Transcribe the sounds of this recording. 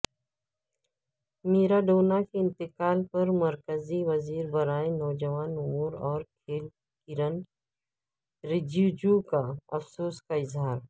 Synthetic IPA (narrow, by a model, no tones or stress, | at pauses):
meːɾaɖoːnakeɪ̃nt̪ɪkaːlpɐɾmɐɾkəziʋɐziːɾbɐɾaːenɔːd͡ʒɐʋaːnʊmuːɾɔːɾkʰeːl | kɪɾən | ɾɪd͡ʒud͡ʒukaɐfsoːskaɪzɦaːɾ